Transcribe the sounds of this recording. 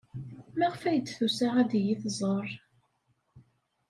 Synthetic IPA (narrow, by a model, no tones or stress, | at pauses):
mæʁfæjət͡sːθusæʁæd̪jiθzˤəɾˤ